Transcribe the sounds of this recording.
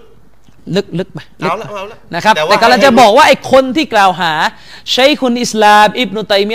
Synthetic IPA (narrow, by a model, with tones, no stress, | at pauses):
lɯ˦˥k̚lɯ˦˥k̚pa˧jlɯ˦k̚a˧˩na˦˥kʰa˦˥p̚t̪ɛː˨˩kɔː˥˩˨la˧ŋt͡ɕa˨˩ʔbɔː˨˩k̚waː˥˩ʔa˧jkʰo˧nt̪ʰiː˥˩klaː˨˩wɦaː˩˦ | ɕa˦˥jkʰu˧nʔi˨˩slaː˧mʔi˦˥˩b̚nu˧t̪a˧jmi˦˥